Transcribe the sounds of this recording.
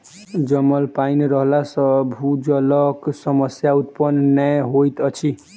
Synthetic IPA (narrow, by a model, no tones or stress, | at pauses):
d͡zʌmːʌlpajnɾʌɦlasʌbʱud͡zʌlʌksʌmʌsjaut̪̚pʌnnajɦojt̪ʌt͡sʰi